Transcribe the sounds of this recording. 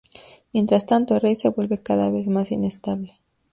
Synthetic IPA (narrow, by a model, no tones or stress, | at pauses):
mjent̪ɾast̪ant̪oerejse̞βwe̞lβe̞kaðaβe̞zmasine̞st̪aβle̞